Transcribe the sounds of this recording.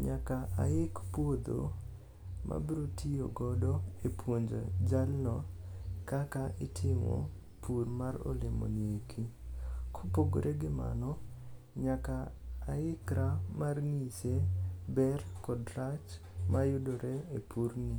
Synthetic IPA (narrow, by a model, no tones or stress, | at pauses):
ɲakaaɪkpwod̪o̰ | mʔa̰bɾotʰioɡɔdoepwoɲd͡ʒo̰d͡ʒalnɔkakaʔɪtʰɪmo̰ | purmaɾo̰lemo̰niekʰikʰopoɡo̰ɾʔeɡɪma̰nɔ | ɲakaːɪkɾamarnit͡ʃebɛrkɔdɾat͡ʃ | majʊdoɾeepʰuɾni